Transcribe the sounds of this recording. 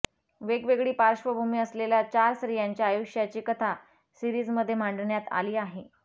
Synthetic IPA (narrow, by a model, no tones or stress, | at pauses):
ʋeɡʋeɡɭiːpaɾʂʋəbʱumiːəsleljat͡ɕaɾsɾijaɲt͡ɕjaːjuʂjat͡ɕiːkət̪ʰa | siɾiːd͡zməd̪ʱːjem̤aɳɖɳjat̪a̰liːaɦe